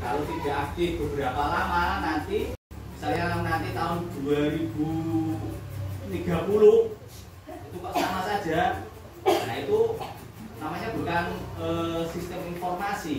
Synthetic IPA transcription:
kalot̪iɡ̥a̤ak̚k̪ɪfb̥ə̤b̥əɾapalamanant̪i | saɾiaŋamnant̪it̪aʊnd̪̥uaɾib̥u | t̪iɡ̥a̤pulu | it̪ukɔʔsamasad̥d͡ʒʒ̥a̤ | anait̪u | namaɲab̥ṳkanəsist̪ɛminfɔrmasi

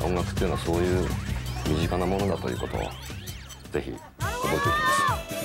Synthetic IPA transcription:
ʔõ̞ŋɡakɯ̥t̪ːjɯnoaso̞ːjɯ̟ːmʲiʑikanamo̞no̞d̪at̪o̞jɯ̟ːko̞t̪o̞̰βa̰ | ze̞çḭ | kob̪oit̪ekʲimas

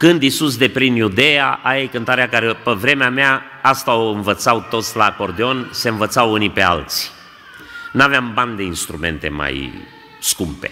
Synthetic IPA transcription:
kɨnd̪isus̬d̪e̞pɾinjud̪e̞jaʔajejkɨnt̪aɾeakaɾe̞pəvɾe̞meamea | ast̪aoɨnvət̪sawt̪o̞t̪sʲlako̞rd̪eo̞nse̞nvət̪sawunipe̞a̰lt̪sʲ | naveamband̪e̞inst̪ɾume̞̰nt̪e̞̰ma̰j | skumpe̞̰

